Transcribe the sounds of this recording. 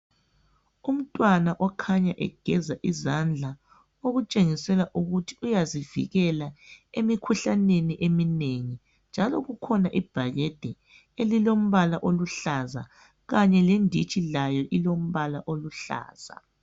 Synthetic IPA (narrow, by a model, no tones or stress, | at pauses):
um̩tʼwanaʔɔkʰaɲaʔɛ̰ɡ̥ʱɛzaʔizand͡ɮʱa | oɣut͡ʃʼeŋisɛlaʔuɣutʰi̥ujazivḭɣɛlaemikʰuɬaneniʔemineŋi | nd͡ʒʱalɔɣukʰɔnaʔib̥ʱaɣɛd̥ʱɛ | elilom̩βalaʔoluɬaza̰ | ɣaɲɛlendʱit͡ʃʼilajɔʔilom̩βalaʔoluɬa̰ːz̥a̰